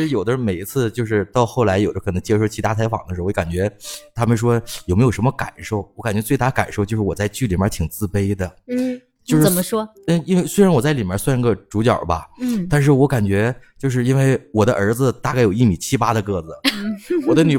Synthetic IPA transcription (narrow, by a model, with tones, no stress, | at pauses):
ɻ̩˧˥jo˨˩ʊd̪ə˦˥˩me˨˩ɪi˧˥t͡sʰɹ̩˥˧t͡ɕjo˥˧ʊʂ̬ɻ̩˥˧t̪ɑ˥˧ʊxo˥˩ʊla˧˥ɪjo˨˩ʊd̪ə˦˥kʰɤ˨˩nɤ˧˥ŋt͡ɕjɛ˥ʂo˥˩ʊt͡ɕʰi˧˥t̪a˥˩t͡sʰa˧˥ɪfɑ˨˩ŋd̪ə˦ʂɻ̩˧˥˧wɔ˧˥ka˨˩nt͡ɕɥɛ˧˥t̪ʰa˥mə˨˧ʂ̬wɔ˥jo˨˩me˧˥jʂnmə˧ka̰˨˩nʂo˥˩ʊwɔ˧˥ka˨˩nt͡ɕɥɛ˧t͡swe˥˧ɪt̪a˥˧ka̰˨˩nʂo˥˧t͡ɕjo˥˧ʊʂɻ̩˥˩wɔ˨˩t͡sa˥˧ɪt͡ɕy˥˩li˨˩mjə̰˞˧˥t͡ɕʰi˨˩ŋt͡sɹ̩˥˩pe˥ɪd̪ə˨˥ | t͡ɕjo˥˧ʊʂə˨˩˥mə˦ʂwɔ˥ | ə˥˧i˥nwe˥˧ɪswe˥ɻa˧˥nwɔ˨˩t͡sa˥˩ɪli˨˩mjə̰˥swa˥˧ni˧˥ɡə˧ʈ͡ʂu˧˥t͡ɕjɑ̰˨˩ʊbɐ̰˧t̪a˥˧nʂ̬ɻ̩˥˩wɔ˧˥ka˨˩nt͡ɕɥɛ˧˥t͡ɕjo˥˧ʊʂ̬ɻ̩˥˧i˥nwe˥˩ɪwɔ˨˩d̪ə̰˦ʔə˞˧˥d͡zɹ̩˧t̪a˥˧ka˥˩ɪjo˨˩ʊi˥˩mi˨˩t͡ɕʰi˥pa˥d̪ə˧kɤ˥˩d͡zɹ̩˩wɔ˨˩d̪ə˦ny˨˩